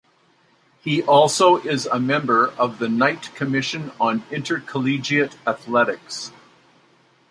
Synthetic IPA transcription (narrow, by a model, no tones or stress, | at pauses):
hiʔɔlˠsoʊʔɪzəmɛ̃mbə˞ʔʌvðɨnaɪtkʰɨmɪʃɨ̃nə̃nɪ̃ntə˞kʰəlid͡ʒiɨɾɨθlɛɾɨks